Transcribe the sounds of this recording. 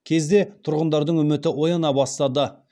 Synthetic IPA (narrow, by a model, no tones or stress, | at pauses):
kʲʰe̞zd̪e̞t̪ʰʊɾʁənd̪ɑɾd̪əɴɵmɪt̪ɪʔwo̞jɑnɑbɑst̪ɑd̪ə